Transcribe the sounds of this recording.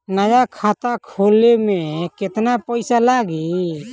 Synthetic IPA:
najakʰat̪akʰolemɛ̃ket̪napəjsalaɡi

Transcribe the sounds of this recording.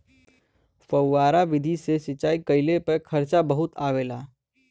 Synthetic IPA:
fəwːaːɾaʋɪd̪ʱisesɪt͡ʃaːikəɪlepəkʰɐɾt͡ʃabɐɦʊt̪aːʋeːlaː

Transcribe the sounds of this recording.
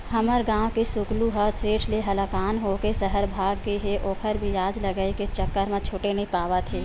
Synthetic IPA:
həməɾɡãːwkesʊkluɦəseːʈʰleɦəlakaːnɦokesəɦəɾbʱaːɡ̚keɦeʔoːkʰəɾbʱijaːd͡ʒləɡəiket͡ʃəkːəɾmẽt͡ʃʰoːʈenəɦipaːʋat̪ʰeː

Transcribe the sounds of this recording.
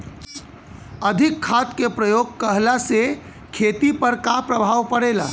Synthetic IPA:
əd̪ʱikʰːat̪kepɾəjoɡ̚kəɦlase | kʰet̪ipəɾkapɾəbʱaʋpəɽela̰

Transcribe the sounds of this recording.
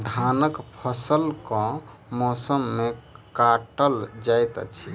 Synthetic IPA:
d̪ʱanəkpʰəsəlkɔ̃mɔsəmːekaʈəld͡ʒajt̪t͡ʃʰi

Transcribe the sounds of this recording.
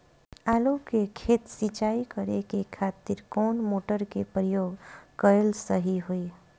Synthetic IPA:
aːlukekʰeːt̪sit͡ʃaːikəɾekekʰaːt̪ɪɾkɔːnmoːʈəɾkepɾəjoːɡkəelsəɦiɦoi

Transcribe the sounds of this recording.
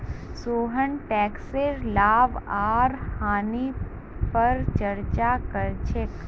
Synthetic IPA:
soːɦənʈɛːkseɾlaːʋaːɾhaːni | pɐɾt͡ʃɐɾt͡ʃakɐɾt͡ʃʰek

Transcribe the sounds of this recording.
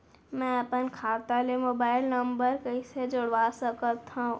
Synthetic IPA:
mɛ̃əpənkʰaːt̪alemoːbaːɪlnə̃mbəɾkəised͡ʒʊɽʋasəkət̪ɦã

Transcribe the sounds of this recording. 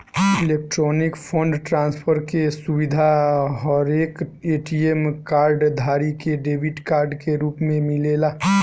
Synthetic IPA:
ɪleːk̚ʈɾɔːnɪkpʰə̃ɳɖʈɾãːnspʰəɾkesʊʋɪd̪ʱaɔːɾeːkeːʈiemkaːɾɖd̪ʱaːɾikeɖeːʋɪʈkaːɾɖkeɾuːpmẽmɪleːlaː

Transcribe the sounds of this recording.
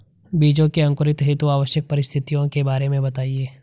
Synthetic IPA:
biːd͡ʒõkeɐ̃ŋkʊɾɪt̪ɦɪt̪uaːʋəʃjək̚pɐɾɪst̪ʰɪt̪ijõkebaːɾemẽbɐt̪aːieː

